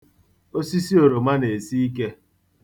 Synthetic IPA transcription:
o˦si˦si˦o˨ɾo˨ma˦ne˨si˦i˦ke˦

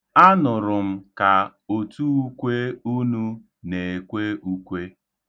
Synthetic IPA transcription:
a˦nʊ˨ɾʊ˨m̩˦ka˨o˨tu˦u˦kʷe˦u˦nu˦ | ne˨e˨kʷe˦u˦kʷe˦

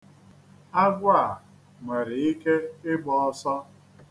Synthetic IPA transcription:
a˦ɡʷʊ˦a˨ | me˨ɾɪ˨i˦ke˦ɪ˦ɡ͡bɔ˨ɔ˦sɔ˦

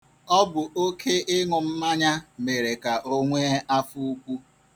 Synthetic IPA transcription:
ɔ˦bʊ˨ʔo˦kʰe˦ʔɪ˦ŋʊ˨m̩˦ma˦ɲa˦me˨ɾe˨ka˨ʔo˦ŋʷe˦a˦fu˦u˦kʷu˦

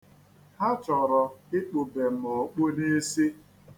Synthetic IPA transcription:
ha˦t͡ʃɔ˨ɾɔ˨ɪ˦k͡po˨be˨m̩˦mɔ˨k͡po˦ne˦si˦

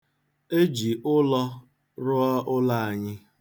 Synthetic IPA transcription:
e˦d͡ʒi˨ʔʊ˦lɔ˦ | ɾʊ˦ɔ˦ʔʊ˦la˦˨a˨ɲɪ˦

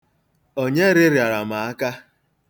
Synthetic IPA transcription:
o˦ɲe˦ɾɪ˦ɾɪ˨a˨ɾa˨ma˨a˦ka˦

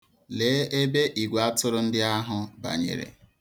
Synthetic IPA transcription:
le˨˦e˦be˦ʔi˨ɡʷa˦tʊ˦ɾʊ˦n̩˦dɪ˦a˦ɦʊ˦ba̰˨ɲḛ˨ɾḛ˨

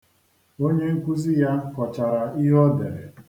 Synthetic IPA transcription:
o˦ɲe˦ŋ̩˦kʷu˦zi˦ja˦kɔ˨t͡ʃa˨ɾa˨i˦ɦɔ˦de˨ɾe˨

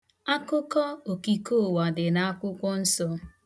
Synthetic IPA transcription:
a˦kʊ˦kɔ˦o˨ki˨ko˦˨wa˨dɪ˨na˦a˦kʷʊ˦kʷɔ˦n̩˦sɔ˦

